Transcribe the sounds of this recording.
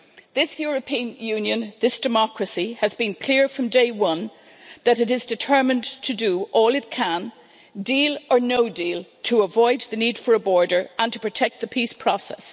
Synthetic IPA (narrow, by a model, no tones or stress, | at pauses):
ðɪsjɔɹɨpʰĩə̃njʉ̃njɨ̃nðɪsd̥ɨmɑkɹɨsiɨzbɨ̃nkʰl̥ɪɹfɹʌ̃mdeɪwʌ̃n | ðɨɾɨɾɨzdɨtʰɜ˞mɨ̃ntʰɨdəʔɔːlˠɨt̚kʰə̃n | dilə˞noʊdilˠtʰəəvɔɪd̪̚ðɨnid̥fə˞əbɔɹɾə˞ʔə̃ntʰə̥pʰɹ̥ɨtʰɛk̚t̪̚ðəpʰispʰɹ̥ɔsɛ̰s